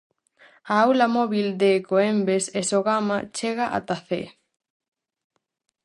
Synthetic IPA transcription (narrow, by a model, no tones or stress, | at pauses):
aawlamɔβild̪ekoembesesoɣamat͡ʃeɣaʔa̰t̪aθḛ